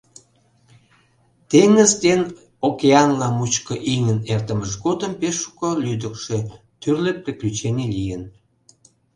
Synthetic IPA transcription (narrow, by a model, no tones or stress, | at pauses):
t̪eŋəzd̪en | okeɑnlɑmut͡ɕkəʔiŋənert̪əməʒɡod̪əmpeʃːu̥kolyd̪əkʃe | t̪yrlepreklʲyt͡ɕenʲelijən